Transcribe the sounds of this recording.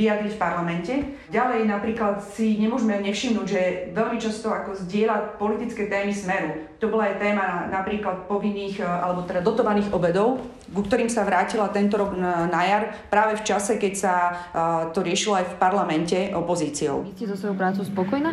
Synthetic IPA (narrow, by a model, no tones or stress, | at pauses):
ʋijad̪ɾicfpaɾlamɛncɛ | ɟalɛjnapɾiːklat̪siɲɛmʊɔʒmɛɲɛfʃimnuːɟʒɛʋɛlmit͡ʃast̪ɔakɔzɟɪɛlacpɔlit̪it͡skɛt̪ɛːmismɛɾut̪ɔbɔlaajt̪ɛːmanapɾiːklat̪̚pɔʋinːiːxʔa̰lɛbɔt̪ɛd̪ad̪ɔt̪ɔʋaniːɣʔɔbɛd̪ɔʊ | kukt̪ɔɾiːmsaʋɾaːcilat̪ɛnt̪ɔɾɔɡnajaɾpɾaːʋɛft͡ʃasɛkɛcsa | t̪ɔɾɪɛʃilɔajfpaɾlamɛncɛʔɔpɔziːt͡siɔ̰ʊscɛzɔsʋɔjopɾaːt͡sɔʊspɔkɔjna